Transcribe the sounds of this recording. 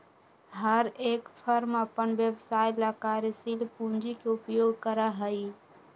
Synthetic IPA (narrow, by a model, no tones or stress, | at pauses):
ɦəɾekpʰəɾməpənbjəʋsajlakaɾsilpũnd͡ʒikeupjoɡʱkəɾəɦəj